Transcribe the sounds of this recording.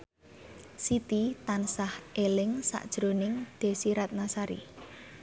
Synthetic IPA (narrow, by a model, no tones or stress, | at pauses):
sit̪it̪ansahelɪŋsa̰ʔd̥ʒ̥ɾonɪŋd̪̥e̤siɾat̪̚nasaɾḭ